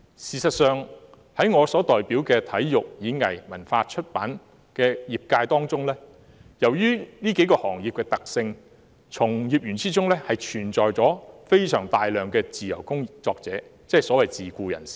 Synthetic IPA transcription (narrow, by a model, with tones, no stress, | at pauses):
siː˨sɐ˨t̚sœː˨˧ŋ | hɐ˨˥jŋɔː˨˧sɔː˨˥t̪ɔː˨jpiː˨˥wkɛː˧t̪ʰɐ˨˥jjʊ˨k̚jiː˨˥ŋɐ̰˨˩jmɐ˨˩nfaː˧t͡ʃʰɵ˥t̚pa̰ː˨˥n | kɛː˧jiː˨p̚kaː˧jt̪ɔː˥ŋt͡sʊ˥ŋlɛː˥ | jɐ˨˩wjyː˥niː˥ke˨˥jkɔː˧hɔː˨˩ŋjiː˨p̚kɛː˧t̪ɐ˨k̚sɪ˧ŋ | t͡sʰʊ˨˩ŋjiː˨p̚jyː˨˩nt͡siː˥t͡sʊ˥ŋlɛː˥hɐ˨jt͡ʃʰyː˨˩nt͡sɔː˨jt͡sɔː˨˥fe˥jsœː˨˩ŋt̪aː˨jlœː˨˩ŋkɛː˧t͡siː˨jɐ̰˨˩wkʊ˥ŋi˨t͡sɔː˧k̚t͡sɛː˨˥t͡sɛ˥˨˩sɔː˨˥wɐ˨jt͡siː˨˩kuː˧jɐ̰˨˩nsi̥ː˨